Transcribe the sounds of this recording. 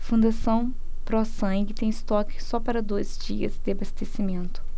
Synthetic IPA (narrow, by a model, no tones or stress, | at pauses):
fũnd̪asɐ̃w̃ | pɾɔsɐ̃ŋɡɪt̪ẽj̃ɪst̪ɔkɪ̥sɔpaɾɐd̪ojzd͡ʒiɐ̰zd̪ɪabast̪esimẽnt̪ʊ̥